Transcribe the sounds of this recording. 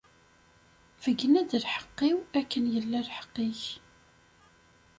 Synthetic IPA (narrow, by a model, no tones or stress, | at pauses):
v̥əɡːnæðəlħə̥qːɪwækːənjəlːælħə̥qːiç